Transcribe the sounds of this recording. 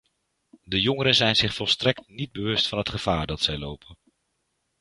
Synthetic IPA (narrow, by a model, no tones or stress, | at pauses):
dəjɔŋəɾənzɛjnzɪχfɔlˠstrɛk̚tnid̚bəʋɵstfɑnɦətχəv̥aːɹdɑtsɛjlowpʰən